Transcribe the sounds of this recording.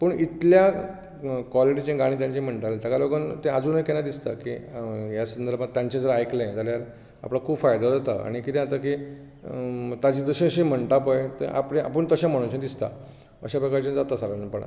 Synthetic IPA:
pəɳit̪lja | kʋɔliʈit͡ɕẽɡaɽ̃ĩːt̪̬jãɲt͡ɕĩm̤əɳʈalt̪akalokənt̪ẽad͡zuːnjkɛ̃jad̪ist̪a̰kḭjasənd̪əɾbad̪̚t̪jãɲt͡ɕẽd͡zəɾajklẽjd͡zaljaɾ | a̰plakʰuːbfajd̪ad͡zat̪a̰a̰ɽ̃ikit̪ɛ̃at̪aki | t̪ad͡ʑid̪əɕĩəɕĩm̤əɳʈapəjt̪ḛʔa̰pɽẽa̰pəɳt̪əɕãm̤əɽ̃ũɕẽd̪ist̪a̰ | əɕapɾəkaɾt͡ɕend͡zat̪asaɾanpəɳa̰

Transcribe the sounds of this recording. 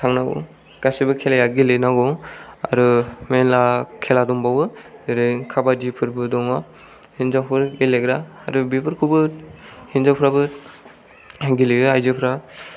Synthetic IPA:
tʰaŋnaɡɔ̰ | ɡ̥asibɯkʰelajaɡilenaɡɔa̰ɾɯmenlakʰeladɔmbawɯeɾɯkʰabadipʰɯɾbɯdɔŋa | hinzapʰɯɾɡileɡɾa̰ːɾɯbipʰɯɾkʰubɯhinzapʰɾabɯ | ɡileɡɯajzɯpʰɾa

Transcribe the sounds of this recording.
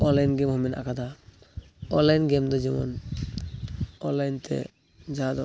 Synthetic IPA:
ɔnlajnɡemɦɔmina̰kad̪a | ɔnlajnɡemd̪ɔd͡ʒimɔ̰n | ɔnlajnt̪ʰḛ | d͡ʒad̪ɔ

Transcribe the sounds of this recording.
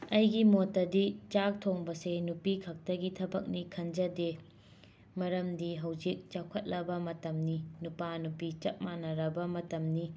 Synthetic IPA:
ɐjɡimotːɐdit͡ʃak̚tʰoŋbɐsenupikʰɐk̚tɐɡitʰɐbɐk̚nikʰɐnd͡ʒɐde | mɐɾɐmdiɦɐwd͡ʒik̚t͡ʃawkʰɐt̚lɐbɐmɐtɐmninupanupit͡ʃɐt̚manɐɾɐbɐmɐtɐmni

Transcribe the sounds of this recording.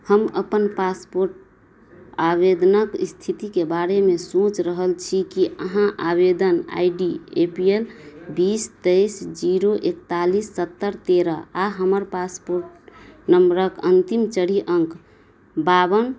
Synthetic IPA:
həməpənpaspoɾʈ̚ | abed̪nəkist̪ʰit̪ikebaɾemesõt͡ʃɾəɦəlt͡ʃʰikiəɦãʔabed̪əna̰iɖiepielbist̪eɪsd͡ʒiɾoʔekt̪alisːət̪ːəɾt̪eɾəaɦəməɾpaspoɾʈnəmbɾəkənt̪imt͡ʃəɽiʔə̃ŋk | babən

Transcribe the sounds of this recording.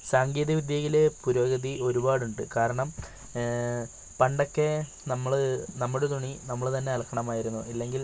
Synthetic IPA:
saːŋɡiːðɐʋid̪jɐɣile̞puɾo̞ːɡɐðiʔo̞ɾubaːɽuɳɖɨkaːɾɐɳɐm | pɐɳɖo̞kːe̞ | nɐmːɐɭnɐmːuɽet̪̬uɳinɐmːɐɭt̪ɐnːe̞ɐlkːɐɳɐmaːjiɾunːuilːe̞ŋɡil

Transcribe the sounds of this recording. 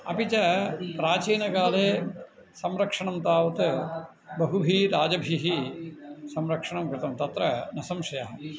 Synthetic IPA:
ɐ̰pit͡ʃɐpɾaːt͡ʃiːnɐkaːleː | sɐmɾɐkʂɐɳɐmt̪aːʋɐt̪ɨ | bɐɦubʱiːɾaːd͡ʒɐbʱiɦi | sɐmɾɐkʂɐɳɐmkɾɪt̪ɐmt̪ɐt̪ɾɐnɐsɐmʃɐjaːɦɐ

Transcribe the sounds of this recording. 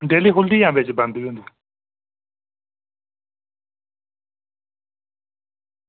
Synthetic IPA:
ɖeːliɦʊld̪ijãːbet͡ʃbə̃nd̪ʋiũnd̪i

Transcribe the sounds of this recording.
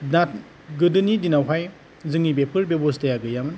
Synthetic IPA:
nat̚ | ɡɯdɯnidinawɦaj | zɯŋibepʰɯɾbebostajaɡɯjamɯn

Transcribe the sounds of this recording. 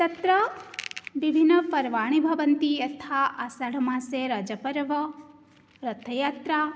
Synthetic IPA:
t̪ɐt̪ɾɐ | ʋibʱinːəpɐɾʋaːɽ̃ibʱɐʋɐnt̪iɐt̪ʰaʔasaɽ̤ɐmãːseɾɐd͡ʒɐpɐɾʋɐ | ɾɐt̪ʰːɐjaːt̪ɾa

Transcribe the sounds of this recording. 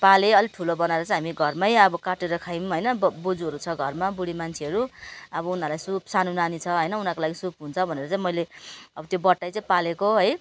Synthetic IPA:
paleʌliʈʰulobʌnaeɾʌt͡sãɦamiɡʱʌrmajʌbʌkaʈeɾʌkʰajmɦʌjnʌbbod͡zuɦʌɾut͡sʰʌɡʱʌrmabuɽimant͡sʰeɦʌɾuʌbʌunɦalajsupsanunanit͡sʰʌɦʌjnʌunakolaɡisupɦunt͡sʰʌbʱʌneɾʌt͡sãĩmʌjleʌbʌt̪jobʌʈːajt͡sãĩpalekoɦʌj

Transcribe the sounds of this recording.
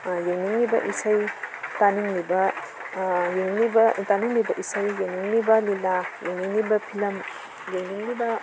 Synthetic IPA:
jeŋniŋnibɐ̰ʔisajtaniŋnibɐ | jennibɐtaniŋnibɐʔisɐjːeŋniŋnibɐlilajeŋniŋnibɐpʰilɐm | jeŋniŋnibɐ

